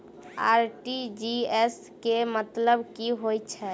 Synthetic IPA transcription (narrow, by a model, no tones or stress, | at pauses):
a̰ɾʈid͡ʒies | kemət̪ləbkiɦojt͡ʃʰɛ